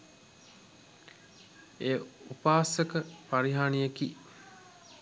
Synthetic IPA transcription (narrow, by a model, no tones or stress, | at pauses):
eːupaːsəkəpaɾiɦaːnijeki